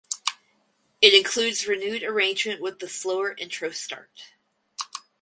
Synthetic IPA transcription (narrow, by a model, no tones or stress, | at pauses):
ɨɾɨ̃nkʰl̥ʉdzɹɨnʉɾə˞ẽɪ̃nd͡ʒmɨ̃nʔwəðəsloʊə˞ʔɪ̃ntʰɹ̥oʊstɑ̰ɹt̚